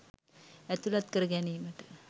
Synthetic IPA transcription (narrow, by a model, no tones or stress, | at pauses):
æt̪ulat̪̚kəɾəɡɛniːməʈə̥